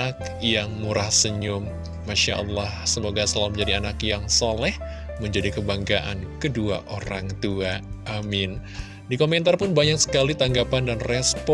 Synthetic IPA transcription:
ak̚ | jaŋmuɾahsəɲʊmː | aʃa̰ʔə̰lːahsəmoɡasəlalməɲd͡ʒadianakjaŋsalɛh | məɲd͡ʒadikəbaŋɡaʔa̰nkədua̰ʔoɾaŋt̪uaʔːmɪn | dikomɛnt̪arpʊnbaɲak̚sə̥kalit̪aŋɡapandanrɛspɔ

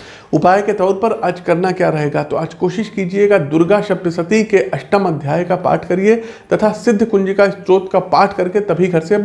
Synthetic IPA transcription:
ʊpaːjket̪ɔːɾpɐɾaːd͡ʒkɐɾnakjaːɾɐɦeːɡat̪oaːd͡ʒkoːʃɪʃkiːd͡ʒieɡad̪ʊɾɡaʃɐp̚t̪əsɐt̪ikeʔɐʃʈəmɐd̪ʱjaːjkapa̰ːʈʰkɐɾiet̪ɐt̪ʰasɪd̪ʱːkʊ̃nd͡ʒikaɪst̪ɾoːt̪kapaːʈʰkɐɾket̪ɐbʱiɡʱɐɾse

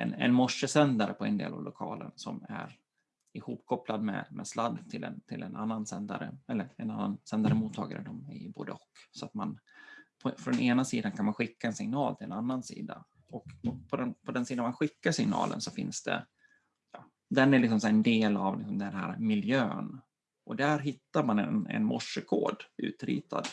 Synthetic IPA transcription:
ɛnɛ̰nmɔʂːəsɛnd̪aɾəpʰɔɛnd̪ḛːla̰vlʔʊkʰɑːlə̰nsɔmæɾ | ɪhuːpkʰɔplad̪mɛmɛslad̪ːt̪ʰɪlɛ̰nt̪ʰɪlɛnʔanːansɛnd̪aɾəɛlːəɾɛnanːansɛnd̪aɾəmuːt̪ʰːɑːɡaɾəd̪ɔmɪ̰bo̰ːd̪əɔkːsɔat̪manpʰɔfɾɔd̪ɛneːnasiːd̪ankʰanmanɧɪkːaɛnsɪŋnɑːlt̪ʰɪlɛ̰nanːansḭːd̪a | ɔkɔpʰɔd̪ɛnpʰɔd̪ɛnsiːd̪anmanɧɪkːaʂɪŋnɑ̰ːlʔə̰nsɔfɪnsd̪ɛ̰ | jɑː | d̪ɛnæɾɭlɪks̬ɔmsɔɛnd̪eːlavlɪksɔmd̪ɛnhæːɾmɪljøːn | ʔɔd̪æɾɦɪt̪ːaɾmanɛnɛ̰nmɔʂːəkʰoːɖʉ̟̰ːt̪ɾḭːt̪ʰa̰d̪

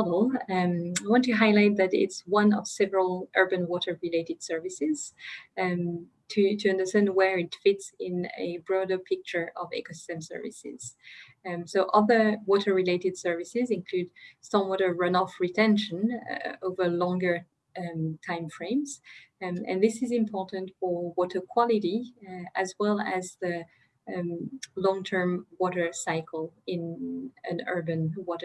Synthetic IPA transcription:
vl̩ˠ | aɪwɑ̃ntʰɨɦaɪlaɪt̪̚ðæɾɪ̰tswʌ̃nʌ̰v̥sɛvəɹəlˠʔɜ˞bɨ̃nwɔɾə˞ɹileɪɾɨd̥sɜ˞vɨsɪz̥ | tʰɨtʰɨʌ̃ndə˞stæ̃ndwə˞ɪtfɪtsɪ̃nɨ̰bɹɔɾə˞pʰɪk̚t͡ʃə˞ʔʌvɛ̰kosɪ̥stɨ̃msɜ̰˞vɪ̰sɪ̰z̥ | soʊʔʌðə˞wɔɾə˞ɹileɪɾɨd̥sɜ˞vɪsɪzɪ̃nkʰl̥ʉdstɔ̃mwɔɾə˞ɹʌ̃nɔfɹitʰɛ̃nʃə̃noʊvə˞lɔ̃ŋɡə˞ | tʰãɪ̃mfɹẽɪ̃mz | ɨ̰̃nðɪsɪzɪ̃mpʰɔɹʔn̩tfə˞wɔɾə˞kʰw̥ɑlˠɪɾiɨzwɛlˠæzðɨ | lɔ̃ŋtʰɜ̃˞mwɔɾə˞saɪkʰl̩ˠɪ̃nɨ̃nɜ˞bɨ̃nwɔɾə˞

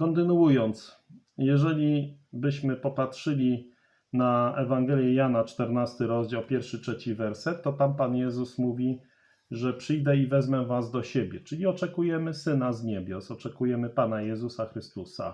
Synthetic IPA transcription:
kɔnt̪ɘnuujɔnt̪s | jɛʐɛlʲibɘɕmɘpɔpatʂɘlʲi | naɛvaŋɡɛlʲjɛjanat͡ʂt̪ɛɾnast̪ɘɾɔzd͡ʑawpʲjɛɾfʂɘtʂɛt͡ɕivɛɾsɛt̪ːɔt̪ampanjɛzusmuvʲi | ʐɛpʂɘjd̪ɛivɛzmɛvazd̪ɔɕebʲjɛt͡ʂɘlʲiɔt͡ʂɛkujɛmɘsɘnazɲɛbʲjɔsɔt͡ʂɛkujɛmɘpanajɛzusaxɾɘst̪usa̰

